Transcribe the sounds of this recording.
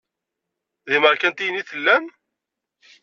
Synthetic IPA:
ðiməɾkænt̪ijənːiθəlːæn

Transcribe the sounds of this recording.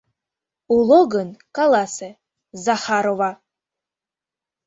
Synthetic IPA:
uloɡənkalase | zaħaɾova

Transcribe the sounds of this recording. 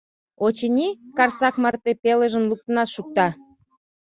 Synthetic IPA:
ot͡ɕənʲikɑrsɑkmɑrt̪epeləʒəmluk̚t̪ənɑt̪ʃuk̚t̪ɑ

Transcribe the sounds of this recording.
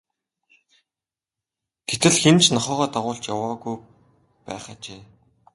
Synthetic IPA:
ɡ̥et̪ɘ̆ɮxent͡ɕnɔχœːʁɔːt̪aʁʊːɬt͡ɕjawaːɣuj | pæ̰ːχaːt͡ɕeː

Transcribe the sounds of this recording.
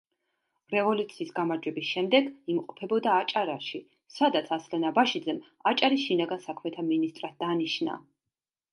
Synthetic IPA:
ɾɛvɔlut̪sʰiːsɡamaɾd͡ʒwɛbisʃɛmd̪ɛɡimqʼɔpʰɛbɔd̪aːt͡ʃʼaɾaʃi | sad̪at̪sʰaslɛnabaʃid̪zɛm | at͡ʃʼaɾisʃinaɡansakʰmɛt̪ʰaminist̪ʼɾat̪̚d̪aniʃna̰

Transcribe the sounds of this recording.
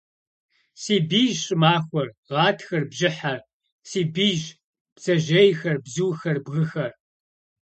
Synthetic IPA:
siːbiːʒɕʼɨmaːxʷɔrʁɑːtʰxɐrbʒɪħa | siːbiːʒ | pt͡sɐʒejxɐrbzuːxɐrbɣɨxɐr

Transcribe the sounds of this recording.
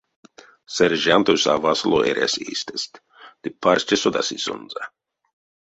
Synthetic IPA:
sɛɾʒant̪ojsa̰vaslˠoʔɛ̰ɾʲa̰sḭːst̪ɛst̪ | d̪̥ipʰaɾst͡ʃʲɛsod̪a̰siso̰nza

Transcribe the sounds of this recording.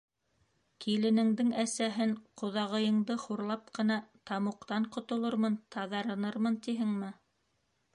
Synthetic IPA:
kilɘ̆nɘ̆ŋd̪ɘŋæsæɦɘŋqŏðɑʁɤ̆jɤ̆ɴd̪ɤχuɾlˠɑp̚qɤ̆nɑt̪ɑmŭqt̪ɑɴqŏt̪ŏlˠoɾmɤnt̪ʰɑðɑɾɤ̆nɤɾmɤnt̪iɦɘŋmɘ

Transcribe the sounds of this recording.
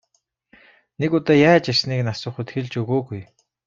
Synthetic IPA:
nekʊt̪ɔːjaːt͡ɕersniːknasʊ̆ːχut̪xĕɮt͡ɕɵɣoːɣuj

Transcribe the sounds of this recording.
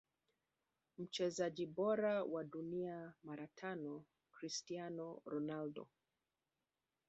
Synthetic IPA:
m̩t͡ʃɛzaʄiɓɔɾawaɗuniamaɾatʰanɔ | kɾistianɔɾɔnaldɔ̰

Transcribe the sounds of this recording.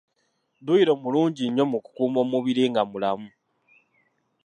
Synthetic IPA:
duiɾo̞muluːɲɟiɲːo̞muku̥kuːmo̞muβiɾiŋɡamulamu

